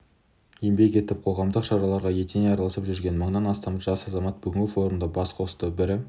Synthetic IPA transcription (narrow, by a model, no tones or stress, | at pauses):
jembe̞k̬ʲe̞t̪ɪp̚qʰo̞ʁɑmd̪əqʃɑɾɑlˠɑɾʁɑje̞t̪eneɑɾɑlˠɑsəpʒʏɾɡʲe̞nməɴnɑnɑst̪ɑmʒɑsɑzɑmɑt̪̚bʏɡʲɪŋɡʲɪfo̞ɾumd̪əbɑsqʰo̞sə̥t̪əbɪɾɪ